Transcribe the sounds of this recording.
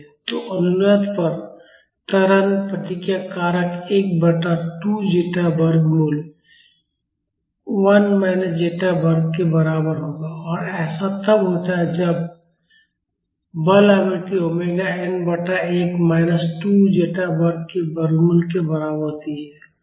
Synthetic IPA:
t̪oʔʊnːət̪pəɾ | t̪əɾənpət̪ɪkjakaːɾəkeːk̚bəʈaʈud͡ʒeːʈabəɾɡmul | wɐnmaɪnəsd͡ʒeːʈabəɾɡ̚kebɐɾaːbəɾɦoːɡaɔːɾɛːsat̪əbɦoːt̪aɦɛd͡ʒɐb | bəlamɪlt̪iɦomeːɡaenbəʈaeːkmaːɪnəsʈud͡ʒeːʈabəɾɡ̚kebəɾɡmulkebɐɾaːbəɾt̪iɦɛː

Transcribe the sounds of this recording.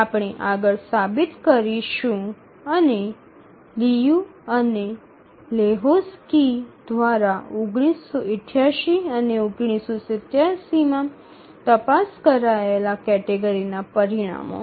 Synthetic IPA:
apɽ̃eʔaɡəɭsabit̪kəɾiʃũ | əne | lijũəne | leɦoskid̪ʋaɾaʊɡɽ̃isːɔɪʈʰjaʃiəneʊɡɳ̃isosɪt̪jasimã | t̪əpaskəɾaelakɛʈeɡəɾinapəɾiɽ̃a̰mo̰

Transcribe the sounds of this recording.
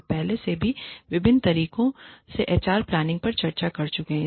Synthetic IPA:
pɛɦlesebʱiʋɪbɪnt̪ɐɾiːkõseʔeːt͡ʃaːɾplaːnɪ̃ŋɡ̚pɐɾt͡ʃɐɾt͡ʃakɐɾt͡ʃʊkeɦɛ̃

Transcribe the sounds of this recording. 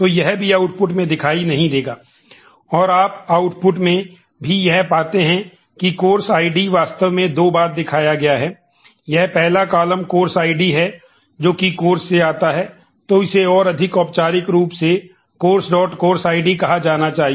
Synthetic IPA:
t̪oːjɛɦbʱiaːʊʈpʊʈ̬mẽd̪ɪkʰaːinɐɦĩd̪eːɡaː | ɔːɾaːpaːʊʈpʊʈmẽ | bʱijɛɦpaːt̪eɦɛ̃ | kikoːɾsaːɪɖiʋaːst̪əʋmẽd̪oːbaːɾd̪ɪkʰaːjaɡɐjaɦɛː | jɛɦpɛɦlakaːləmkoːɾsaːɪɖiɦɛ | d͡ʒoːkikoːɾsːeaːt̪aɦɛː | t̪oɪseɔːɾɐd̪ʱɪkɔːpt͡ʃaːɾɪkɾuːpse | koːɾsɖɔːʈkoːɾsaːɪɖikɐɦad͡ʒaːnat͡ʃaːɦi

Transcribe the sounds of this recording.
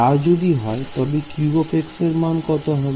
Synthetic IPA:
ad͡ʒod̪iɦɔet̪ɔbikjuɡopʰekseɾmankɔt̪oɦɔb

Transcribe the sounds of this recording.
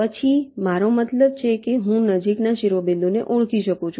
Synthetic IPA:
pət͡ʃʰimaɾomət̪ləb̚t͡ʃʰekeɦũnəd͡ʒiknaʃɪɾʋəbend̪oneʔuɽ̃kiʃəkũt͡ʃʰũ

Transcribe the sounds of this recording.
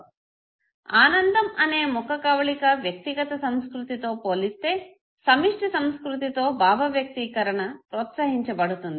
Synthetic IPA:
aːnɐnd̪ɐmɐne̞ːmukɐkɐʋɐɭikɐʋjɐk̚t̪iɡɐt̪ɐsɐmskɾut̪it̪o̞ːpoːlist̪e̞ː | sɐmiʂʈisɐmskɾut̪̬it̪o̞ːbʱaːbɐʋjɐk̚t̪ikɐɾɐɳɐpɾɔːt̪sɐɦiɲt͡ʃɐbɐɽut̪und̪i

